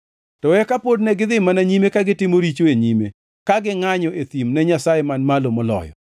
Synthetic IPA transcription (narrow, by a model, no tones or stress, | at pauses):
tɔwɛkapodnɛɡɪd̪ɪmanaɲimekaɡɪtɪmoɾit͡ʃoeɲimḛ | kaɡɪŋaɲɔet̪imnɛɲasajemanmalomɔlɔ̰jɔ̰